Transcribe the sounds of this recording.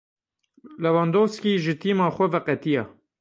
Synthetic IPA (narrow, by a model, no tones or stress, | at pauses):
lɛvɑːnd̪oːskiːʒɨt̪iːmɑːxʷɔvɛqɛt̪ijɑ̰ː